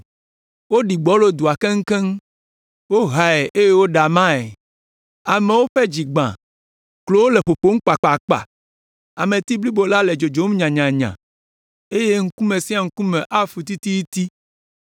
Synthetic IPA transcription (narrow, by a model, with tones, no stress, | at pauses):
wo˦ɖi˨ɡ͡bɔ˦lo˦d̪u˨a˨ke˦ŋ̩˦kɛ˦ŋ˦ | wo˦ɦa˨e˨ʔe˦je˦wo˦ɖa˨mã˦ɛ˨ | a˨me˨˦wo˦ɸɛ˦d͡ʑi˨ɡ͡bã̰˨ | klo˦wo˦le˨ɸo˨ɸo˦ŋ̩˦k͡pa˨k͡pa˨k͡pa̰˨ | a˨mẽ˨t̪i˦bli˦bo˨la˦lɛ˨d͡ʒo˨d͡ʒo˨˦m˦ɲã˨ɲã˨ɲã̰˨ | e˦je˦ŋ̩˦ku˦mẽ˨si˦a˨ŋ̩˦ku˦mɛ̃˨ʔa˦fu˨t̪i˦t̪i˦ji˦t̪i˦